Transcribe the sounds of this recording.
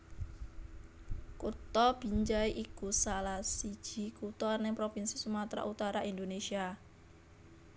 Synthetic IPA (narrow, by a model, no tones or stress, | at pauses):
kut̪ɔb̥i̤ɲd͡ʒaiʔikusalasid̥ʒ̥i̤kut̪ɔnɪŋpɾofinsisumat̪ɾa̰ʔut̪aɾaʔind̪onesia